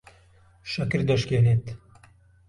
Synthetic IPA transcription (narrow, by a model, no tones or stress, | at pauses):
ʃɐkɨɾd̪ɐʃkeːneːt̪